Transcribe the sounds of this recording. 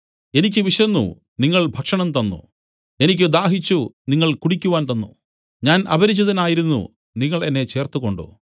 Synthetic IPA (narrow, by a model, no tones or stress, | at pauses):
e̞nikʲːɨʋiʂjɐnːṵ | niŋːɐɭbʱɐkʂɐɳɐmt̪ɐnːṵ | e̞nikʲːɨd̪aːɦit͡ɕːuniŋːɐɭkuɽikʲːuʋaːnt̪ɐnːṵ | ɲaːnʔɐ̰bʱɐɾit͡ɕːɐðɐnaːjiɾunːṵ | niŋːɐɭe̞nːe̞t͡ɕe̞ːrt̪uɣo̞ɳɖṵ